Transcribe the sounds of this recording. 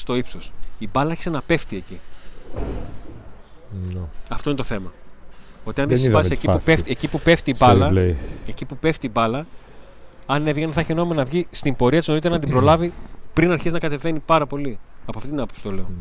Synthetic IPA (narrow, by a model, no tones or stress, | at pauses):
st̪o̞ipsosibɐlɐɐɾçi̥senɐpe̞ft̪ieci | ɐft̪oinet̪o̞θe̞mɐ | o̞t̪iɐnðesivɐziseciueft̪ecipupe̞ft̪iːbɐlɐleecipupe̞ft̪iːbɐlɐ | ɐnevʝeneθɐçenomenɐvʝist̪imbo̞ɾiɐt̪izno̞it̪eɾenɐt̪ibɾolɐvipɾinɐɾçiznɐkɐt̪e̞ve̞nipɐɾɐpo̞liɐpoɐft̪it̪inɐpopsi̥t̪oleo